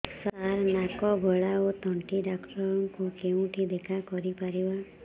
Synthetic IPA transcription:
saɾnakɔɡʱɔɭaot̪ɔɳʈiɖakʈɔɾɔŋkukeũʈʰid̪ekʰakɔɾipaɾiba

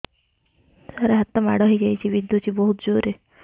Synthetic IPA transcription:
saɾaɦat̪ːɔma̰ɽɔɦijd͡ʒajt͡ʃʰibid̪jot͡ʃʰiboɦut̪d͡ʒoɾe

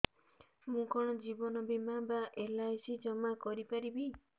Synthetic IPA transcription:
mũkʰɔɽ̃ɔd͡ʒibɔnɔbimabaʔelajsid͡ʒɔmakɔɾipaɾibi

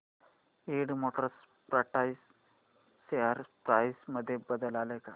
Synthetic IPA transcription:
eɽmoʈəɾs | pɾəʈajsː | eaɾpɾajsməd̪ʱːjebəd̪əlaləka

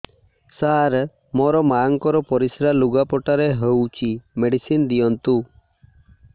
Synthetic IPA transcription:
saɾ | mɔɾɔmaŋkɔɾɔpɔɾisɾaluɡapɔʈaɾeɦəwt͡ʃʰimeɖisind̪ijɔnt̪u

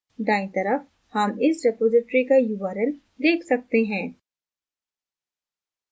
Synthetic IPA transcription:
ɖãːĩt̪ɐɾəf | hɐmɪsɾɪpoːzɪʈɾikajuʋaːɾəl | d̪eːkʰsɐk̚t̪eɦɛ̃ː

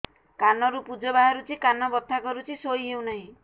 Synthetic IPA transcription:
kanɔɾupud͡ʒɔbaɦaɾut͡ʃʰikanɔbɔt̪ʰakɔɾut͡ʃʰisojɦew̃naɦĩ

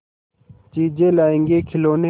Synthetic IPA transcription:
t͡ʃiːd͡ʑẽːlaːẽːŋɡeːkʰiloːne

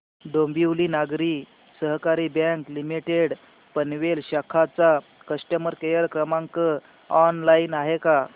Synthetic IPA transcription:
ɖombiwliːnaɡɾi | səɦkaɾiːbɛŋklimiʈeɽ | pənʋelɕakʰat͡sa | kəsʈəməɾkejəɾkɾəmãŋkə | ɔnlainaɦeka

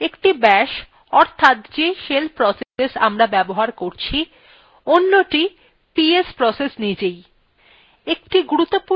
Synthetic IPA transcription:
ekʈibɛʃ | ɔɾt̪ʰat̪d͡ʑeʃelpɾɔsesesa̰mɾabɛboɦaɾkoɾt͡ɕʰi | onːoʈi | piespɾɔsesnid͡ʑej | ek̚ʈiɡuɾut̪ːopu

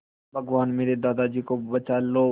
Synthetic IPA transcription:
bʱɐɡʋaːnmeːɾed̪aːd̪ad͡ʒiːkobɐt͡ʃaːloː

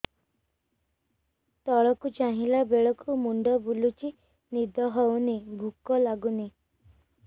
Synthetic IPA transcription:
t̪ɔɭɔkut͡ʃaɦilabeɭɔkumuɳɖɔbulut͡ʃi | nid̪ʱɔɦɔwnebʱukɔlaɡune

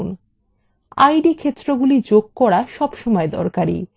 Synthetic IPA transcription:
n | a̰jɖikʰet̪ːɾoɡulid͡ʑoɡ̚kɔɾaʃɔbʃɔmɔed̪ɔ̰ɾkaɾḭ

